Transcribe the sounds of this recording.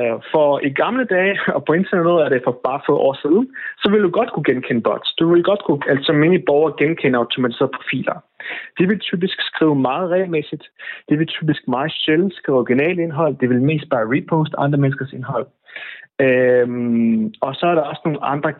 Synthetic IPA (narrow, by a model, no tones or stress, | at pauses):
fɒ̽iɡ̥ɑ̈mləd̥ɛːɪɒ̽pʰɒ̽e̝nt͡sʰæɐneðˠæɐɾe̝fɒ̽b̥ɑ̈ːfɔʔɒ̰ːsið̞ˠn̩sɒ̽ʋe̝ld̥uɡ̥ɒ̽d̥kʰuɡ̥enkʰen̰əb̥ɒ̽d̥sd̥uʋe̝lɡ̥ɒ̽d̥kʰuælsɒ̽me̝nib̥ɒʊɐɡ̥enkʰen̰əɑ̈ʊt͡sʰo̝mæt͡sʰise̝̰ːɐðˠpʰʁofḭːlʔɐ | d̥e̝ʋe̝lt͡sʰy̰ːb̥isɡ̥sɡ̥ʁḭːʊmɑ̈ːð̞̩ˠʁɛ̰ːɪlmesid̥d̥e̝ʋe̝lt͡sʰy̰ːb̥isɡ̥mɑ̈ːð̩ˠɕeln̩sɡ̥ʁiːʊɒɡ̥inɛ̰ːləe̝nɦɒ̽l̰d̥e̝ʋe̝lme̝̰ːsd̥̚b̥ɑ̈ːʁipʰoːsd̥ɑ̈nd̥ʁɐmensɡ̥ɐse̝nɦɒ̽l̰ | mɒ̽sɒ̽æɐɾɑ̈ɒ̽səno̝ːn̩ɑ̈nd̥ʁɐ